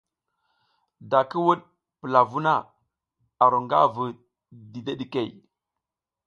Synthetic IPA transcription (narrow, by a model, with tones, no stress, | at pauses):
da˨kə˦wu˦ɗ̚ | pə˨la˨vu˦na˦˨ | a˨ɾo˨ŋɡa̰˦və˨ | di˨de˦ɗi˨ke˦˨